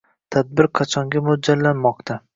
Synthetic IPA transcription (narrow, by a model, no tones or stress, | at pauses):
t̪ʰad̪̚bɪɾqʰɑt͡ʃʰɒŋɡʲamʊd͡ʒallːanmɒqt̪ʰa